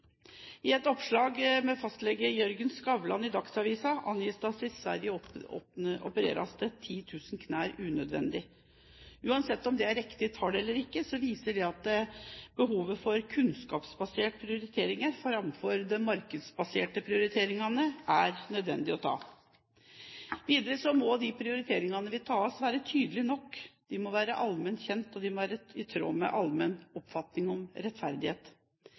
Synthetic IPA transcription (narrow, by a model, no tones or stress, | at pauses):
ɪɛt̪ɔpʂɭɑːɡmɛfɑst̪lɛɡəjœɾɡənskɑʋlɑnɪd̪ɑksɑʋiːsɑʔɑ̰njiːsd̪ɑsɪsʋæ̰ɾjəɔɔɔ̰pəɾḛːɾɑ̰st̪ət̪ʰiːt̪ʰʉːsnkʰnæːɾʉːnœd̪ʋɛ̰nd̪ɪ | ʉːɑnsɛt̪ːɔmd̪ɛæɾɪkt̪ɪt̪ʰɑːɖɛɛlːəɾɪkːəsɔʋiːsəɖɛɑt̪̚d̪ɛbəɦuːʋəfɔɾkʰʉnskɑːpsbɑseːʈ̚pʰɾɪʊɾɪt̪ʰeːɾɪŋəɾfɾɑmfɔɾd̪ɛmɑɾkəd̪sbɑseːʈəpʰɾɪʊɾɪt̪ʰeːɾɪŋɑnəʔæɾnœd̪ʋɛ̰nd̪ɪɔt̪ʰɑ̰ː | ʋiːd̪əɾəsɔmɔd̪ɪpʰɾɪʊɾɪt̪ʰeːɾɪŋɑnəʋɪt̪ʰɑːɔsʋæːɾət̪ʰyːd̪əlɪnɔkːd̪̥ɪmɔʋæːɾəʔɑlmɛnt̪çɛnt̪ɔd̪ɪmɔʋæːɾəɪt̪ʰɾo̰ːmɛ̰ʔɑlmɛnɔpfɑt̪nɪŋɔmɾɛt̪fæɾd̪ɪheːt̪